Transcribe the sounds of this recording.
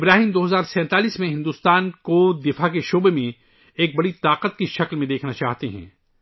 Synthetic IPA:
ɪbɾaːɦiːmd̪oːɦɐzaːɾsɛ̃ːt̪aːliːsmẽɦɪ̃nd̪uːst̪aːnkod̪ɪfakeʃoːbemẽ | eːk̚bɐɽit̪aːqət̪̚kiʃɐklmẽd̪eːkʰnat͡ʃaːɦt̪eɦɛ̰̃ː

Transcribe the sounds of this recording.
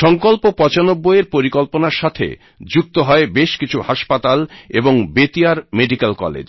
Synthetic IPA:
ʃɔŋkolpopɔt͡ɕanobːoeɾpoɾikolponaɾʃat̪ʰḛ | d͡ʑuk̚t̪oɦɔebeʃkit͡ɕʰuhaʃpat̪aleboŋbet̪iaɾmeɖikalkɔ̰lḛd͡ʑ

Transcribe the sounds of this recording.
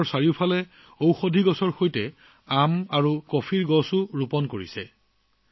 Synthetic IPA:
ɹsaɹiʊpʰalɛ | owxodʱiɡɔsɔɹxojtɛ | amaɹukɔpʰiɹɡɔsʊɹupɔnkoɹḭsɛ

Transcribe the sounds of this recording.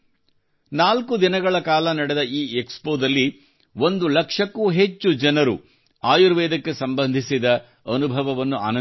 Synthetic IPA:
naːlkud̪inɐɡɐɭɐkaːlɐnɐɽed̪ɐiːekspoːd̪ɐlːi | ʋo̞nd̪ulɐkʂɐkːuɦe̞t͡ʃːud͡ʒɐnɐɾṵ | aːjuɾʋɛːd̪ɐkːe̞sɐmbɐnd̪ʱisid̪ɐ | ɐnubʱɐʋɐʋɐnːua̰ːnɐ

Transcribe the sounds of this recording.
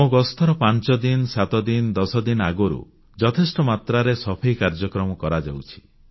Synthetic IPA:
moɡɔst̪ʰɔɾɔpant͡ʃɔd̪insat̪ɔd̪ind̪ɔsɔd̪inaɡoɾṵ | d͡ʒɔt̪ʰesʈɔmat̪ɾaɾesɔpʰejkaɾd͡ʒɔkɾɔmɔkɔɾad͡ʒa̰wt͡ʃʰi̥

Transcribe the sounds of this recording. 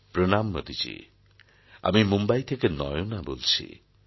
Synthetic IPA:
pɾonamːod̪ʱid͡ʒḭ | a̰mimumbajt̪ʰekenɔjonabolt͡ʃʰḭ

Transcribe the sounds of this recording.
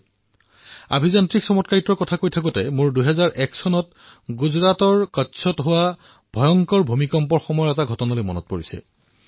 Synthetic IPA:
a̰bʱizantɹiksɔmɔtkaɹitɔɹkɔtʰakojtʰakutɛmʊɹduɦɛzaɹʔɛksɔnɔt | ɡuzɹatɔɹkatsʰɔtɦowa | b̥ʱɔjɔŋkɔɹbʱumikɔmpɔɹxɔmɔjɔɹɛtaɡʱɔtɔnalojmɔnɔt̚poɹisɛ̰

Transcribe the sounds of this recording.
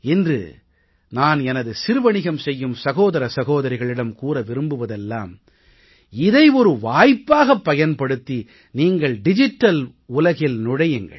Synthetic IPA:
ɪndrɯ̰ | naːnɛnɐðɯsɪɾɯʋɐɳɪɣɐmsɛjːɯmsɐɣoːðɐɾɐsɐɣoːðɐɾɪɣɐɭɪɽɐmkuːɾɐʋɪɾɯmbɯʋɐðɛlːa̰ːm | ɪðɐɪɔɾɯʋaːjpːaːɣɐpːɐjɐnpɐɽɯt̪ːi | niːŋɡɐɭɖɪd͡ʒɪʈːɐl | ʊlɐɣɪlnʊɽɐjɪŋɡɐ̰ɭ

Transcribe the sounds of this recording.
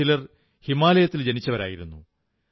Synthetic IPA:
ilɐr | himaːlɐjɐt̪ːild͡ʑe̞nit͡ɕːɐʋɐɾa̰ːjiɾunːṵ

